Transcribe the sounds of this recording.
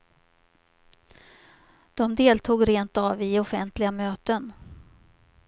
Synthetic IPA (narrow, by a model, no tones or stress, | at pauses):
d̪̥ɔmd̪eːlt̪ʰuːɡɾeːnt̪avɪɔfɛnt̪lɪɡamøːt̪ən